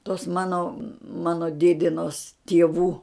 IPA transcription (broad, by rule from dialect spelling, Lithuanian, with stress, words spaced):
toːs ˈmɑːnoː ˈmɑːnoː ˈdʲeːdʲɪnoːs tʲiɛˈʋuː